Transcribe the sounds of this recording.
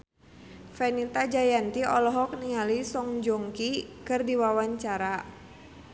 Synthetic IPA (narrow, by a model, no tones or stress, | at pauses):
fɛnit̪ad͡ʒajant̪iɔlɔɦɔk̚nialisɔŋd͡ʒɔŋkikɨrdiwawaɲt͡ʃaɾa